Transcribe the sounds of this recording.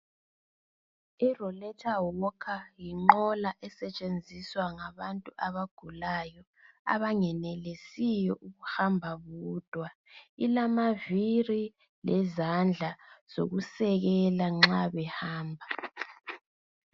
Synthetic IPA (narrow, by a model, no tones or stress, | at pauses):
irɔlɛtʰawɔkʰajiŋ͡ǃɔlaʔɛsɛt͡ʃʼend͡zʱiswaŋaβantʼuʔaβaɡ̥ʱulajɔ | a̰βaŋɛnɛlesijɔʔuɣuhambʱaβuːd̥ʱwa | ilamaviri | lɛzand͡ɮʱaz̥o̰ɣusɛɣɛlaŋ͡ǁaβɛhaːmbʱa